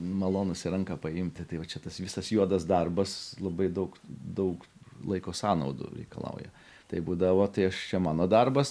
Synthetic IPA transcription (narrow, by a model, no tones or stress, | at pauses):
mɐlˠoːnʊsʲɪɾɐŋkɐpɐɪmʲt̪ʲɪt̪ɐɪʋɐt͡ʃʲɛt̪ɐsʋʲɪsɐsjuɔd̪ɐsd̪ɐrbɐslˠɐbɐɪd̪ɐʊkd̪ɐʊk | lˠɐɪkoːsɑːnɐʊd̪ʊ̰ɾʲɛ̰ɪkɐ̰lˠɐ̰ʊjɛ̰ | t̪ɐɪbuːd̪ɐʋoːt̪ɐɪɐʃt͡ʃʲɛmɑːnoːd̪ɐrbɐs